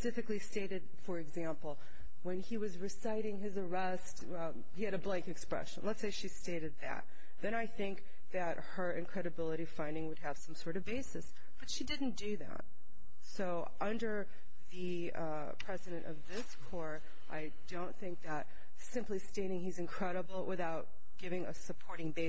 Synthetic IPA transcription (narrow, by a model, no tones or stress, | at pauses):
əsɪfɨklisteɪɾɨd̥fə˞ɨɡzæ̃mpl̩ˠ | wə̃niwʌzɹɨsaɪɾɪ̃ŋɪzə˞ɛst | hiɨɾɨblæ̃ŋkɨkspɹɛ̰ʃɨ̰̃n̩lətseɪʃisteɪɾɨd̪̚ðɨ̰t̪̚ | ðɨ̃ɾ̃aɪθɪ̃ŋk | ðɨt̚hə˞ʔɨ̃nkʰɹ̥ɛɾɨbɪlˠəɾi̥fãɪ̃ndɪ̃ŋwɨd̚ɨv̥sʌ̃msɔɹɾʌvbeɪsɨs | b̥ʌtʃidɪdⁿn̩d̥ɨðæ̰t̚ | soʊ | ʔʌ̃ndə˞ | ðɨ | pʰɹ̥ɛzɨɾɨ̃ñtʔʌ̰vðɪskʰɔɹ | ʔa̰ɪdõʊ̃nθɪ̃ŋk̚ðəɾ̚ | sɪ̃mplisteɪɾɪ̃ŋizɨ̃nkʰɹ̥ɛɾəbl̩ˠwɪ̰θaʊt̚ | ɡ̥ɪvɪ̃ŋɨ̰sɨpʰɔɹɾɪ̃ŋbeɪ